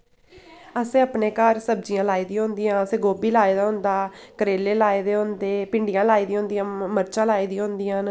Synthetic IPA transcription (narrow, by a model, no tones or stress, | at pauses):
əsẽːaːpneːkəɾsəb̚d͡ʒijãːlaːiːd̪ĩːɦʊ̃nd̪iːãːəsẽːɡoːbiːlaːeːd̪aːɦʊ̃nd̪aːkəɾeːleːlaːeːd̪eːɦʊ̃nd̪eːpɪɳɖijãːlaːiːd̪ĩːɦʊ̃nd̪ijãːməɾt͡ʃãːlaːiːd̪ĩãːɦʊ̃nd̪iːãːn